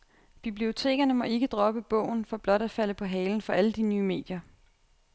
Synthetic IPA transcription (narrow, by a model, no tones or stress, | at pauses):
b̥ib̥lio̝t͡sʰe̝̰ːɡ̥ɐnəmɒ̽e̝ɡ̥əd̥ʁɒ̽b̥əb̥ɔ̰̽ʊ̰n̩fɒ̽b̥lɒ̽ɾ̥æ̥fæl̰əpʰɒ̽ɦɛːln̩fɒ̽ʔæləd̥inyːme̝̰ːd̥jɐ